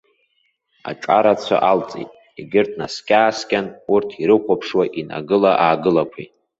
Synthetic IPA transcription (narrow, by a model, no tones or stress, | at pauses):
a̰ʈ͡ʂʼaɾat͡sʷʰa̰ʔalt͡sʼejtʼ | iɡʲɪrtʰnaskʲʼaːskʲʼanurtʰiɾɨχʷapʰʂwaʔina̰ɡɨlaʔaːɡɨlakʷʰḭjtʼ